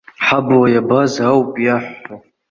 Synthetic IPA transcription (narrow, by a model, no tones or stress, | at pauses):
ħabwajabazawpʼjaħʷa